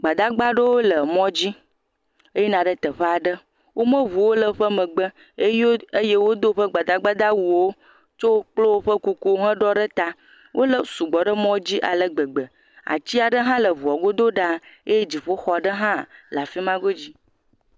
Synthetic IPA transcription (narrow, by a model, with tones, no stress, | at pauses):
ɡ͡ba˨d̪a˦ɡ͡ba˦ɖə˦wo˦lə˨mɔ̃˦d͡ʑi˦ | e˦je˦nã˨ɖə˦t̪ə˨ɸə˦a˨ɖə˦ | wʔo˦mə̃˦βu˨wo˦lə˨ɸə˦mə˨ɡ͡bə˦ | e˦jo˦e˦je˦wo˦d̪o˦ɸə˦ɡ͡ba˨d̪a˦ɡ͡ba˦d̪a˦wu˨wo˦ | t͡ʃo˦k͡plo˦wo˦ɸə˦ku˦ku˦ɦə̃˦ɖɔ˦ɖə˦t̪a˦ | wʔo˦lə˨su˨ɡ͡bɔ˨ɖə˦mɔ̃˦d͡ʑi˦ʔa̰˨lə˦ɡ͡bə˨ɡ͡bə˨ | a̰˨t͡ɕi˦a˨ɖə˦ɦã˦lə˨vu˨a˨ɡo˦d̪o˦ɖa˦e˦je˦d͡ʑi˨ɸo˦xɔ˨ɖə˦ɦã˦˨la˨fi˦mã˦ɡo˦d͡ʑi˦